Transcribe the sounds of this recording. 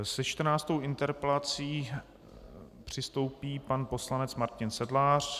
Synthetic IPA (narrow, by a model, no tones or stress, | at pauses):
sɛt͡ʃt̪r̩naːt͡st̪owɪnt̪ɛɾpɛlat͡siː | pr̝̥ɪst̪o̞wpiːpanpo̞slanɛt͡smaɾcɪnsɛdlaːr̝̥